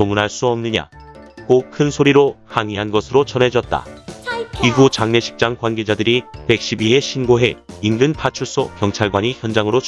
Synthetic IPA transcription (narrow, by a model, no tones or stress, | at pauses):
omunɦaɭs͈uʌmnɯɲa̰k͈okʰɯnsʰoɾiɾohaŋiɦanɡʌsʰɯɾot͡ɕʌnɦe̞d͡ʑʌt̚t͈a̰ | iɡut͡ɕaŋne̞ɕʰi̥k̚t͡ɕ͈aŋkwanɡe̞d͡ʑadɯɾipe̞k̚ɕ͈ibiɦe̞ɕʰinɡoɦe̞inɡɯnpʰat͡ɕʰuɭs͈okjʌŋt͡ɕʰaɭɡwaɲiçjʌnd͡ʑaŋɯɾo